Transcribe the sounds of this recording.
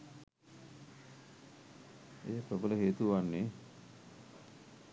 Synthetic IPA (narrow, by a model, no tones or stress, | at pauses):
eːpəbələɦeːt̪uʋanːe